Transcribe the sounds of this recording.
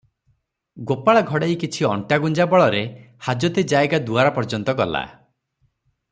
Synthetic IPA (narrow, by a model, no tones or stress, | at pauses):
ɡopaɭaɡʱɔɽejkit͡ʃʰiɔɳʈaɡund͡ʒabɔɭɔɾe | had͡ʒɔt̪ed͡ʒaeɡad̪uaɾɔpɔɾd͡ʒɔnt̪ɔkɔla̰